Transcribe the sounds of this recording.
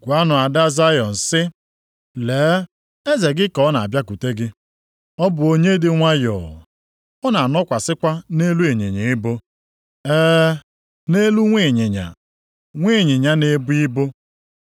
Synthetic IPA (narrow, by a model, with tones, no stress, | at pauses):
ɡʷa˦nʊ˨a˨da˦za˦jɔ˨n̩˨sɪ˦ | leː˨˦ | e˦ze˨ɡɪ˦kɔ˨˦na˨a˨bja˦k̬u˨te˦ɡɪ˦ | ɔ˦bʊ˨o˦ɲe˦dɪ˦ŋʷa˦jɔ̰ː˨ | ɔ˦na˨nɔ˦kʷa˨sɪ˦kʷa˦ne˦lu˦e˨ɲḛ˨ɲe˨ɪ˦bo˦ | ɛː˦ | ne˦lu˦ŋʷe˨ɲe˨ɲa̰˨ | ŋʷe˦˨ɲe˨ɲa˦ne˨˦bʊ˦i˦bo˦